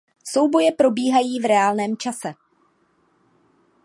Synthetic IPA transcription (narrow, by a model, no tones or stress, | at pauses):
so̞wbo̞jɛpɾo̞biːɦajiːvɾɛaːlnɛːmt͡ʃasɛ